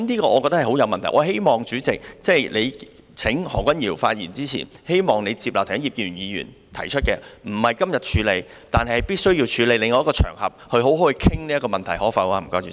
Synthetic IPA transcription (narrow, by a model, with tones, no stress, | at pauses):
mniː˥kɔː˧ɔː˨˧kɔ˧t̪ɐ˥hɐ˨˩ho˨˥wjɐ˧wmɐ˨nt̪ʰɐ˨˩ʔɔː˨˧ɦe˥jmɔː˨ŋt͡ʃyː˨˥t͡sɪ˨k̚t͡sɛː˥˩jle˨˧j | t͡sʰɪ˨˥ŋhɔ̰ː˨˩kʷɐ˥njiː˨˩wfaː˧t̚jḭː˨˩nt͡siː˥t͡sʰḭː˨˩nhe˥jmɔː˨ŋne˨˧jt͡siː˧p̚laː˨wt̪ʰːji˨˩kiː˥˧ɥyː˨˩njiː˨˧jy̰˨˩n | t̪ʰɐ˨˩jt͡ʃʰɵ˥t̚kɛː˧m̩˨˩hɐ˨jkɐ˥mjɐ˨t̚t͡ʃʰyː˨˧le˨˧jt̪aː˨nɦɐ˨jhɐ˨˩jpiː˥tsɵ˥ɥji˧wt͡ʃʰyː˨˧le˨˧jlɪ˨˧ŋːɐ˧˦jkɔː˧t͡ʃʰœ̰ː˨˩ŋhɐ̰˨p̚hɵ˧ɥɦo˨˥wɦo˨˥whə˧kʰɪ˥ŋliː˥ɐ˥kɔː˧mɐ˨nt̪ʰɐ˨˩jhɔː˨˥fɐ˧waː˧m̩˨˩kaː˧y˨˧